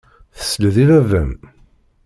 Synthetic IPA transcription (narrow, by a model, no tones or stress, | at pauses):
θə̥sːləðivævæm